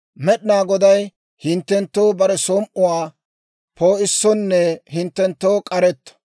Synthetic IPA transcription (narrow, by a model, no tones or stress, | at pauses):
mɛɗnaːɡɔd̪ɐj | hɪnt̪ːɛnt̪ːoːbɐɾɛsoːmʔʊwaː | pʰoːɪsːɔnːɛhɪnt̪ːɛnt̪ːoːkʼɐɾɛt̪ːɐ̥